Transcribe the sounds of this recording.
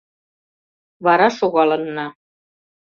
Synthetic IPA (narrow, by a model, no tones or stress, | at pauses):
βɑɾɑʃoɣɑlɤ̆nːɑ